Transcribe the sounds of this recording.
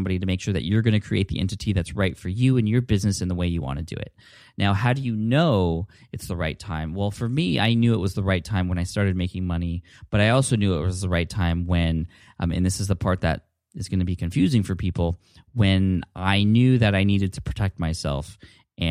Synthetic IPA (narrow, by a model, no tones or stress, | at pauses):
mbɑɾiɾɨmeɪkʃʊɹðɨ̰t͡ʃə˞ɡʌñɨkʰɹ̥ḭeɪt̪̚ðḭʔɛ̰̃ntɨtʰiðɨtsɹaɪtfə˞jʉɨ̃njə˞bɪznɨsɨ̃nðəweɪjɨwɑ̰̃nɨdɨ̰ɪ̰t̚ⁿ | naʊɦaʊɾɨjɨnoʊ | ɨtsðəɹaɪtʰãɪ̃mwɛlˠfə˞mia̰ɪnjʉəʔ̚wʌzðəɹaɪtʰãɪ̃mwə̃ñaɪstɑɹɾɨd̚meɪkɪ̃ŋmʌni | b̥ʌɾaɪɔlˠsoʊnjʉəʔ̚wʌzðəɹaɪtʰãɪ̃mwɨ̃n | ɨ̰̃nðɪsɨzðəpʰɑɹt̪̚ðɨ̰ɾ | ɨzɡʌnɨbikʰɨ̃ɱfjʉzɪ̃ŋfə˞pʰipl̩ˠ | wɨ̃nʔaɪnjʉðɨɾaɪniɾɨd̚tʰə̥pʰɹ̥ɨtʰɛk̚t̚maɪsɛ̰lˠf | ʔɨ̃